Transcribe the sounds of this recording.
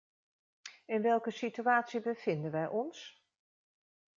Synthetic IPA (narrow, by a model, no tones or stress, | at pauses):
ɪnʋɛlˠkəsityaːtsibəvɪndənʋɛjʔɔns